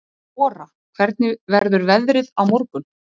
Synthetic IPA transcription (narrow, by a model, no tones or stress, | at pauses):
ɔːɾa | kʰvɛɾt̪̚nɪvɛɾðʏɾvɛðɾɪðawmɔɾkʏn